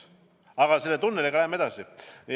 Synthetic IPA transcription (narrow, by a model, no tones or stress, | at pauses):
ɑɣɑselːet̪unːeleklæemet̪ɑsi